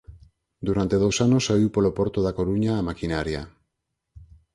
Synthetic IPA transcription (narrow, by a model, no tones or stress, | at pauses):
d̪uɾant̪e̞ð̞owsanosaiwpolopo̞ɾt̪oðako̞ɾuɲaːmakinaɾia